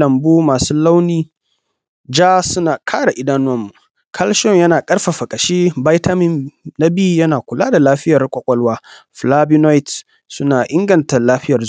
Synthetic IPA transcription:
ɐ˨mbuː˦maː˨suː˦la˦wniː˦ | d͡ʒaː˦sʊ˦naː˨kʰaː˦ɽa˨ʔɪ˦daː˦nʊ˦ɐ˦mːu˨ | kʰɐ˦lʃɔ˦ŋjɐ˦naː˨kʼɐ˦rɸa˨ɸɐ˨kʼɐ˨ʃiː˦ba˦jta˦mɪ˦mna˦bɪ˦ju˨jɐ˦naː˨kʷʊ˨laː˦da˨laː˦ɸɪ˦jɐ˨rkʷʼɔ˦kʷʼɔ˦lwaː˦ | ɸlaː˦bi˦na˦jt | sʊ˦naː˨ʔɪ˦ŋɡɐ˨nta˨laː˦ɸɪ˦jɐ˨rz

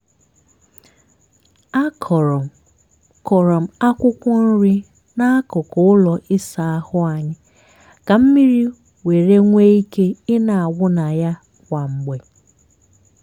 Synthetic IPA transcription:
a˦kʰɔ˨ɾ | kɔ˨ɾɔ˨m̩˨a˦kʷʊ˦kʷɔ˦n̩˦ɾi˦ | na˦a˦kʊ˨kɔ˦ʊ˦lɔ˨ʔɪ˦sa˨a˦hʊ˦a˨ɲɪ˦ | ka˨m̩˦mi˦ɾi˦ | we˨ɾe˦ŋʷe˦i˦ke˦ɪ˦na˨a˨wʊ˦na˨ja˦ | kʷa˨ŋ͡m̩˨ɡ͡be˨

